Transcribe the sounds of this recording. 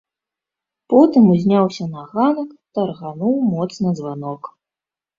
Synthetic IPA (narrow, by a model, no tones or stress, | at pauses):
pɔt̪ɨmuzʲnʲawsʲɐnaɣanɐkt̪ɐrɣanuwmɔt̪snɐzvanɔk